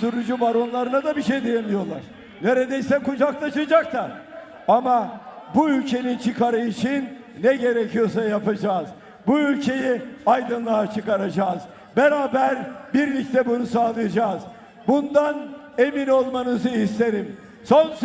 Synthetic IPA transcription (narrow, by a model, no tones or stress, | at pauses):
suɾud͡ʒubaɾo̞nlˠaɾɯnad̪abiʃejd̪ejemʲijo̞lˠa̰ɾ̥ | ne̞ɾed̪ejsɛkud͡ʒakt̪ʰˠaʃɯd͡ʒak̚t̪ʰa | amabuylʲcʰe̞nint͡ʃʰɯkʰaɾɯit͡ʃin | nɛɟe̞ɾecʰijo̞sajapad͡ʒaːz | buylʲcʰe̞jiajd̪ɯnlˠat͡ʃʰɯkaɾad͡ʒaːz | beɾaːbæɾbiɾlʲic̚t̪ʰɛbunusaːlˠɯjad͡ʒaːz | bund̪an | e̞mino̞lˠmanɯzɯist̪ʰe̞ɾim | so̞ns